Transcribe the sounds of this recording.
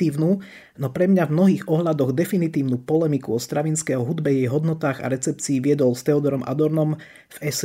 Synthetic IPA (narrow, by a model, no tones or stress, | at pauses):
iːʊnuː | nɔpɾɛmɲavmnɔɦiːɣɔɦʎad̪ɔɣd̪ɛfinit̪iːʊnupɔlɛmikuɔst̪ɾaʋinskɛɦɔɦud̪bɛjɛjɦɔd̪nɔt̪aːɣa̰ɾɛt͡sɛp̚t͡siːʋɪɛd̪ɔlst̪ɛɔd̪ɔɾɔmʔa̰d̪ɔɾnɔm | vɛs